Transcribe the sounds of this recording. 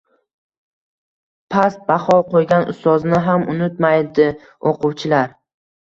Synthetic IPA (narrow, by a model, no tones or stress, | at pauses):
pʰast̪̚baχɒqʰojɡʲanʊ̰st̪ɒznɪɦamʔʊnɪt̪majd̪ɪ | oqʊwt͡ʃʰɪlaɾ